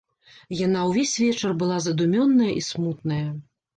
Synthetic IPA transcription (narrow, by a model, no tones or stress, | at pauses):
janawvʲesʲvʲɛt͡ʂɐrbɨlˠazɐd̪umʲɔnːɐjɐʔismut̪̚nɐjɐ